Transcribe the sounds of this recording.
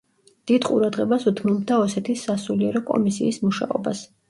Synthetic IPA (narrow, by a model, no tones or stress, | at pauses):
d̪̥id̪qʼṵɾad̪ʁɛbasut̪ʰmɔbd̪aɔsɛt̪ʰisːasuliɛɾɔkʼɔ̰misiːsmuʃa̰ɔ̰bas